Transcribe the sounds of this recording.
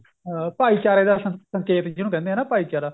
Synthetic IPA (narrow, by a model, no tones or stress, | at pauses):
paːiːt͡ʃaːɾeːd̪aːsəsəŋkeːt̪d͡ʒɪnũːkɛ̃ːnd̪eɦɛːnaːpaːiːt͡ʃaːɾaː